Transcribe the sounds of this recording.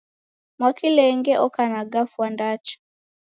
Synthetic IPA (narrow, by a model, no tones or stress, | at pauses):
mwakilɛŋɡɛʔɔkanaɡafwandat͡ʃḁ